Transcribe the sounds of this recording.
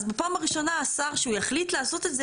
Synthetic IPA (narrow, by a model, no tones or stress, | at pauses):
zbepaːmaʁiʃo̞naːsaʁʃeujaχlitlaːso̞t̪e̞tze